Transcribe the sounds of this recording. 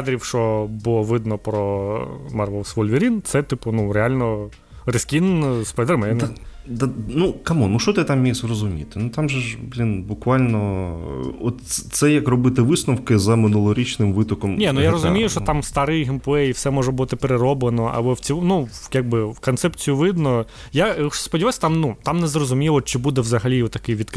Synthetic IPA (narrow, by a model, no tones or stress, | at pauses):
d̪ɾʲiwʃt͡ʃɔbʊlˠɔʋɪd̪nɔpɾɔmarʋɛlˠsʋɔlʲʋʲiɾʲint̪sɛt̪ɪpʊnuɾealʲnɔ | rɪskʲinspɛd̪ɛrmɛn | d̪anukɐmunuʃt͡ʃɔt̪ɪt̪amːʲijʃʲrɔzʊmʲḭt̪ɪnut̪ɑmʒɛʒblʲinbʊkʋɑlʲnɔ | ɔt̪t̪sɛjɐkrɔbɪt̪ɪʋɪsnɔwkɪzɐmɪnulˠɔɾʲit͡ʃnɪmʋɪt̪ɔkɔmnʲinujaɾɔzʊmʲijʊʃɔt̪amst̪ɑɾɪjɦɪmpʊɛifsɛmɔʒɛbut̪ɪpeɾeɾɔblˠenɔʔɐ̰bˠɔwt͡sʲinujaɡ̚bɪkɔnt̪sɛpt͡sʲijʊʋɪd̪nɔ | jaspɔiʋasʲɐ̥t̪amnut̪ɑmnɛzrɔzʊmʲilˠɔt͡ʃɪbud̪ɛʋzɐɦɐlʲiɔt̪ːɐkɪjʋʲid̪k